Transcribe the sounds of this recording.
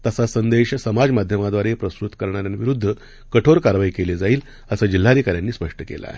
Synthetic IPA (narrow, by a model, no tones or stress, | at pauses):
t̪əsasənd̪eɕsəmad͡zmad̪ʱjəmad̪ʋaɾepɾəsɾut̪kəɾɳaɾjanʋiɾud̪ʱːə | kəʈʰoɾkaɾʋaikeled͡zaiːl | əsad͡ʑil̤ːad̪ikaɾjanːiːspəʂʈəkḛla̰